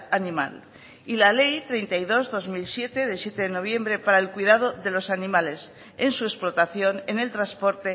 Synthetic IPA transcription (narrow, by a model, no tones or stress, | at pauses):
anĩma̰l | ilale̞jt̪ɾe̞jnt̪aiðo̞zðo̞zmilsje̞t̪e̞ðesje̞t̪eðeno̞β̞je̞mbɾe̞paɾaelkwiðað̞oðe̞lo̞sanĩmale̞s | ensue̞splot̪aθjo̞nenelt̪ɾaspo̞ɾt̪e̞